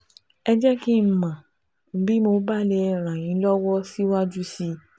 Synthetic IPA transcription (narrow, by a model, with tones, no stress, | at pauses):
ɛ˧d͡ʒɛ˦ki˦˨mã˨˦ | bi˦mo˧ba˦le˧ɾ̃ã˨jĩ˨˦lɔ˦wɔ˦si˦wa˦d͡ʒu˦si˧